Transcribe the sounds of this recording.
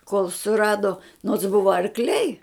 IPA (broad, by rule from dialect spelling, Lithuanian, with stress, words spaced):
koːlˠ sʊˈrɑːdoː noːts ˈbʊʋɐ ɐrkˈlʲɛɪ